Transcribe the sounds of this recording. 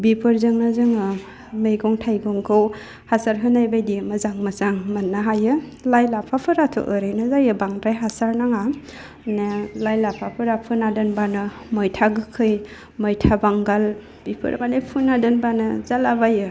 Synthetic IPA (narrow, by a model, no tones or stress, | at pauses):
bipʰɯɾzɯŋnɯzɯŋɯ | mejɡɔŋtʰajɡɔŋkʰɯw | hasaɾɦɯnajbajdimɯzaŋmasaŋmanːaɦajɯlajlapʰapʰɯɾatʰɔ̰ʔɯɾɯjnɯzajɯbaŋtajɦasaɾnaŋa | nelajlapʰapʰɯɾapʰɯnadɯnbanɯ | mɔjtʰaɡɯkʰɯj | mɔjtʰabaŋɡal | b̥ipʰɯ̰ɾ̰malepʰunadɯnbanɯzalabajɯ